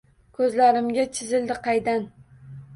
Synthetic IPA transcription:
kʰɵzlaɾɪmɡʲat͡ʃʰɪzɪld̪ɪqʰɑjd̪an

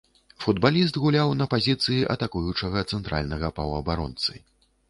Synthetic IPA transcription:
fud̪balʲist̪ɣulʲawnɐpazʲit̪sɨjiʔɐ̰t̪akujut͡ʂɐɣɐt̪sɛnt̪ɾʔa̰lʲnɐɣɐpɐwɐbaɾɔ̰nt̪sɨ̰

